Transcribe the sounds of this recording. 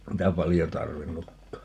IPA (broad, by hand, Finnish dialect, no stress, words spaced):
niːtæ pɑljo tɑrʋinːukːɑː